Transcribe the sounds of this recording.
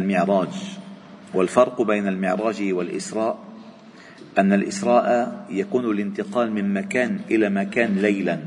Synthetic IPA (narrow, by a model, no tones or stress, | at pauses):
lmɪʕɾˤɑːd͡ʒ | walfɑɾˤqbajnalmɪʕɾˤɑːd͡ʒwalʔɪ̰sɾˤɑːʔ | ʔanːalʔɪ̰sɾˤɑːʔajakuːnalɪnt̪ɪqɑːlmɪnmakaːnʔɪlaːmakaːnlajlan